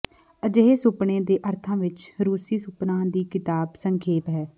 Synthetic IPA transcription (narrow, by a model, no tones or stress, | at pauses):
əd͡ʒəɦeːsʊpɳẽːd̪eːʔəɾt̪ʰãːʋɪt͡ʃɾuːsiːsʊpnãːd̪iːkɪt̪aːbsəŋkʰeːpɦɛː